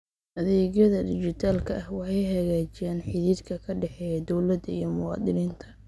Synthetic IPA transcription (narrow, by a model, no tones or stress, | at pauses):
ʔɐðɛːɣjɐðɐd̪ɪt͡ʃɪt̪ʰaːlkʰɐʔɐhwɑħɑjɦɐɣaːt͡ʃɪjaːnħɪðiːd̪kʰɐkʰɐɖɛħɛːjɛd̪ɔwlɐd̪ɐḭjɞmʊwɑ̰ːd̪ɪniːnt̪ʰɐ̥